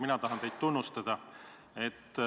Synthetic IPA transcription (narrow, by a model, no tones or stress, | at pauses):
minɑt̪ɑɦɑnt̪e̞jd̪̚t̪unːust̪ɑd̪̥ɑ | e̞t̪ː